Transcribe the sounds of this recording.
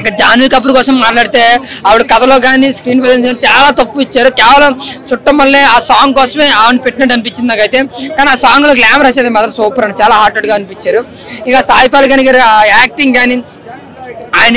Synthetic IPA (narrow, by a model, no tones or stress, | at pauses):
iŋkad͡ʒaːnʋikɐp̬ːuɾkɔːsɐmːaːʈlaːɽit̪e̞ːɐʋuɽukɐd̪ɐlo̞ːkaːniskɾiːnpɐd̪ens̬ɡaːnit͡ʃaːlaːt̪ɐkːuit͡ʃːaːɾukɛːʋɐlɐmt͡ʃuʈːɐmːɐɭːeːaːsaːŋɡkɔːsɐme̞ːaːɐnipeʈːinɐʈ̬ːɐnipiɲt͡ʃind̪naːkɐjt̪e̞ːkaːniaːsaːŋɡloːklaːmɐɾaːseːd̪emɐːd̪ɐsuːpɐɾɐnt͡ʃaːlaːɦaːɾʈːɐɖɡaːɐnipiɲt͡ʃːaːɾu | ikaːsaːjipaːlikaːniɡaːɾiaaːk̚ʈiŋɡkaːni | aːjnɐ